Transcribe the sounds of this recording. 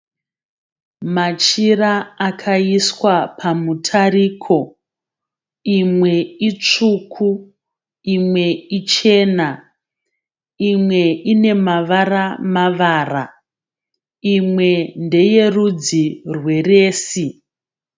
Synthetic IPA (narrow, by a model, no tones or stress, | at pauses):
mat͡ʃiraːkʰaiswapʰamutʰariːkʰo̞ | imwe̞it͡ʂukʰu | imwe̞it͡ʃe̞ːna | imwe̞ine̞maʋaramaʋaːra | imwe̞nde̞je̞rud͡zirwe̞re̞ːsi